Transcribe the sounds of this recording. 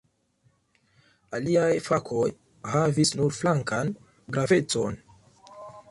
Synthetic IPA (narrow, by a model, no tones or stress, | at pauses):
aliajfakʰo̞j | havisnuɾflaŋkan | ɡɾave̞t͡so̞̰n